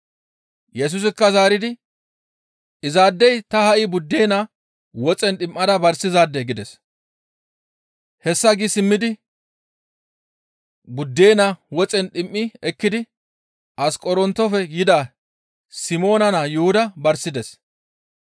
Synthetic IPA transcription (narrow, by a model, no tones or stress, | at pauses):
jɛs̬ʊs̬ɪkːɐzaːɾɪd̪ɪ | ɪzaːd̪ːɛjt̪ɐhɐʔɪbʊd̪ːeːna | wɔt͡sʼɛnɗɪmʔːɐd̪ɐbɐɾsɪzaːd̪ːɛɡɪd̪ɛs | hɛsːɐɡisɪmːɪd̪ɪ | bʊd̪ːeːnawɔt͡sʼɛnɗɪmʔːɪɛkːɪd̪ɪ | ʔɐskʼɔɾɔnt̪ːɔfɛɡɪd̪aː | sɪmo̞ːnɐnaːjʊhʊd̪ɐbɐɾsɪd̪ɛs